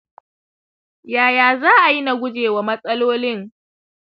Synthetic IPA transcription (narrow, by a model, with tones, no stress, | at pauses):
jaː˨jaː˨zaː˦ʔa˨ji˦na˨ɡʷʊ˦d͡ʒeː˨wa˨mɐ˦sʼɐ˦loː˦lɪ˦ŋ